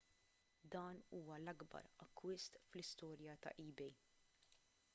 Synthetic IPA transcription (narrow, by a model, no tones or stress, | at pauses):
d̪ɐːnuːwɐlɐɡbɐ̰ɾɐkːwɪst̪flɪst̪ɔːɾjɐt̪ɐ̰ʔiːbɛj